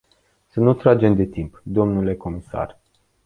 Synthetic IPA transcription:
sənut̪ɾad͡ʒe̞md̪e̞t̪impd̪o̞mnule̞ko̞misa̰r

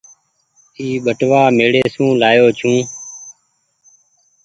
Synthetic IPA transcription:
iːɓəʈʋaːmeːɽeːsũːlaːjoːt͡ʃʰũː

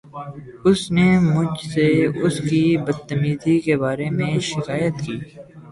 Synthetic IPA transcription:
ʊsnemʊd͡ʒʱseʊskibəd̪̚t̪ːəmiːzikebaːɾemẽʃɪkaːjət̪kiː

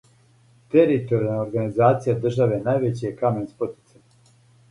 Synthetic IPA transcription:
t̪eɾit̪o̞ɾijalnaoɾɡanizaːt̪sijad̪r̩ʒaʋe̞najʋet͡ɕijekamenspot̪i̥t̪sa

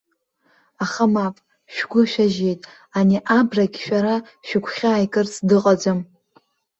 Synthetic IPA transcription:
aχamapʼ | ʃᶣɡʷʊʃᶣaʒe̞jtʼ | aniʔabraɡʲʃᶣaɾa | ʃᶣɪkʷʰχʲaːjkʼɨrt͡sʰʼdɨqʼad͡zʷɨm

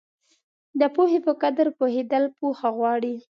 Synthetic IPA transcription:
d̪əpohepəkad̪əɾpohed̪əlpoxaɣwɑɽi

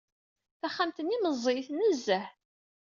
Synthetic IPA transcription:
θæχːamt̪əniməzˤːejθnːəzːəħ

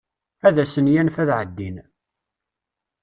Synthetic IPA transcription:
æðæsənjænfæðʕəd̪ːin

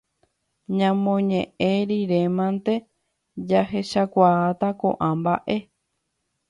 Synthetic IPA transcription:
ɲãmõɲẽʔẽɾiɾemãnt̪e̞ | d͡ʒahe̞ʃakʷaːt̪akõ̰ʔãmbaʔe̞

